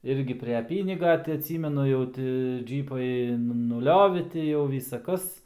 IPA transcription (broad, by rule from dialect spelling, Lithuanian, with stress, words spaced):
ˈɪrʲɡʲɪ pʲrʲɛ ˈpʲiːnʲɪɡɐ tɐɪ ɐtʲˈsʲiːmʲɛnʊ jɛʊ ˈtʲɪ ˈd͡ʒʲiːpɐɪ nʊˈlʲoːʋʲɪ ˈtʲɪ jɛʊ ˈʋʲiːsɐ ˈkɐs